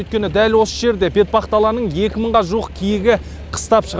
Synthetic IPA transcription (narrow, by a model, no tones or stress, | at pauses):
ɵjt̪̚kʲe̞nɪd̪ælwo̞səʒe̞ɾd̪e̞bʰe̞t̪̚bɑχt̪ɑlˠɑnəɴje̞kʲɪməɴʁɑʒuəqkʲʰijɪɡʲɪ | qʰə̥st̪ɑpʃəʁ